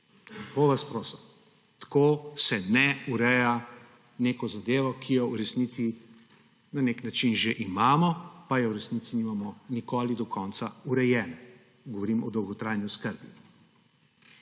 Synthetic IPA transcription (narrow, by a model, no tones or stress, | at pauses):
poʋaspɾoːsɛm | t̪koːsɛnɛuɾɛja | neːkɔzad̪eːʋɔkʰijɔuɾɛsnit̪si | naneknat͡ʃinʒeʔimaːmɔpajɛwɾɛsniːt̪sinimamɔnikoːlid̪ɔkʰɔnt̪sauɾɛjɛːnɛ | ɡɔʋɔɾiːmɔd̪ɔwɡɔt̪ɾajnjuskəɾbi